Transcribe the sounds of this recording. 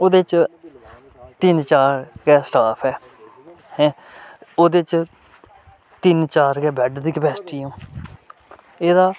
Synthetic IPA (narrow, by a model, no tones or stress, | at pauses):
oːd̪eːt͡ʃ | t̪ɪnt͡ʃaːɾkɛːsʈaːpʰɛː | hɛ̃ː | oːd̪eːt͡ʃ | t̪ɪnt͡ʃaːɾɡɛːbɛːɖd̪iːkəpɛːsʈiːõː | eːd̪aː